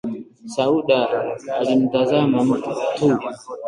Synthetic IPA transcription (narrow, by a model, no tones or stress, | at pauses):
sauɗaːlim̩tazamam̩tutu